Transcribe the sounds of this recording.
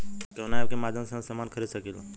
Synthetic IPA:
konaabkemaːd̪ʱjə̃msẽsamaːnkʰəɾid̪sɐkiːla̰

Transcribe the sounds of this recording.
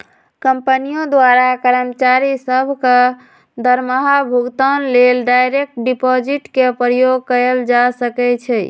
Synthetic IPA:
kəmpənijõd̪waɾakəɾəmt͡ʃaɾisəbʱke | d̪əɾməɦabʱuɡt̪anlelɖajɾek̚ʈɖipɔd͡ʒiʈkepɾəjoɡ̚kəəld͡ʒasəkɛt͡ʃʰɛ

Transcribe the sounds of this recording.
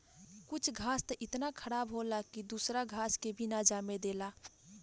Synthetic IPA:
kʊt͡ʃʰɡʱaːst̪əʔɪt̪nakʰəɽaːbɦolakid̪uːsɾaɡʱaːskebʱinad͡ʒaːmed̪eːlaː

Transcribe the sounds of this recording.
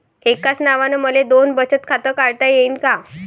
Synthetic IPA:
ekat͡snaʋanəməled̪onbət͡ɕət̪kʰat̪əkaɭt̪ajeinka

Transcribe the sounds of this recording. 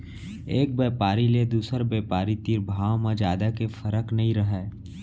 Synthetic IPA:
eːk̚beːpaːɾiled̪uːsəɾbeːpaːɾit̪iːɾbʱaːwmãd͡ʒaːd̪akefəɾəknɐɦĩɾɐɦɛː

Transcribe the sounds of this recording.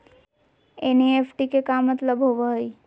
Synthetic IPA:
eniefʰʈikekamːət̪ləbɦoʋəɦəi

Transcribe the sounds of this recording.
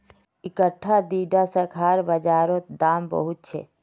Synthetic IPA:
ɪkəʈʰːad̪iːɖasəkʰaːɾbəd͡ʒaːɾot̪d̪aːmbə̰ɦʊt̪̚t͡ʃʰḛ

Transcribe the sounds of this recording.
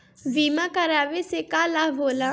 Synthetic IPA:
ʋiːmãkəɾaːʋesekaːlaʋoːlã

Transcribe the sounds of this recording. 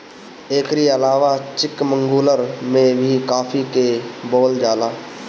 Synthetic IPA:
eːkɾiəlaːʋat͡ʃɪkmə̃ŋɡuːləɾmẽbʱikaːfʰikebɔːld͡ʒaːlaː

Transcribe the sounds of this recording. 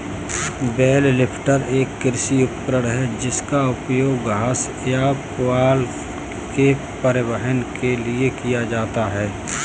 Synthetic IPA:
bɛːllɪpʰʈəɾeːkːɪɾsiʊpkɾəɽɦɛd͡ʒɪskaʊpjoːɡɦaːs | japaːl | ke | pəɾɪwəɦənkʰeliekijad͡ʒaːt̪aɦɛː

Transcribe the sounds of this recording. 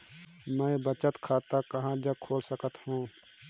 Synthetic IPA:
mə̃bət͡ʃət̪kʰaːt̪akɐɦãd͡ʒəkʰoːlsəkət̪hũː

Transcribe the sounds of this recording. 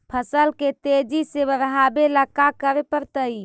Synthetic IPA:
pʰəsəlket̪ed͡ʒisebəɾəɦabelakakəɾepəɾt̪əi

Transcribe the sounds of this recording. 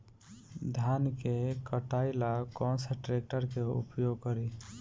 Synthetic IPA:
d̪ʱjankekəʈaɪlakɔnsəʈɾek̚ʈəɾkeṵpjoɡ̚kəɾi

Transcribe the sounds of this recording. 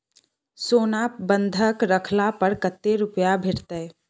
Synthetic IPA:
soːnapbə̃nd̪ʱəkɾəkʰlapəɾkət̪ːeɾʊpjabʱɪʈt̪əː

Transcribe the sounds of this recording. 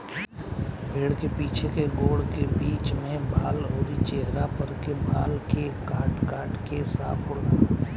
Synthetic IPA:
bʱeːɽkepiːt͡ʃʰekeɡoːɽkebiːt͡ʃmẽbʱaːlɦoːɾit͡ʃeɦɾapəɾkebʱaːlkekaːʈkaːʈkesa̰ːpʰʊɽdaː

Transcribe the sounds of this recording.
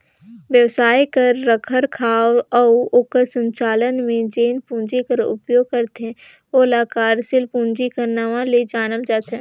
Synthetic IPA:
ʋjəʋsaːjkɐɾːəkʰəɾkʰaːwɔːoːkəɾsə̃ɲt͡ʃaːlənmẽd͡ʒeːnpũːɲd͡ʒikəɾʊ̰pjoːɡ̚kɐɾt̪ɛ̃ | oəlaːkaːɾsɪlpũːɲd͡ʒikəɾnaʋaled͡ʒaːnəld͡ʒaːt̪ɦɛ̃ː

